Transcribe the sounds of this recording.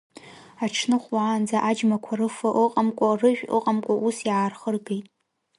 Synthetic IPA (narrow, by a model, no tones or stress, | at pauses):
aʈ͡ʂʰnɨχʷwaːnd͡zaʔad͡ʒmakʷʰarɨfaʔɨqʼamkʷʼarɨʒᶣɨ̰qʼamkʷʼaʔusjaːrχərɡejtʼ